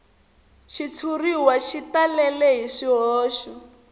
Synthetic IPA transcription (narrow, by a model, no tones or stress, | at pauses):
ʃit͡sʰuriwaʃitalɛlɛɦiʂiɦɔːʃɔ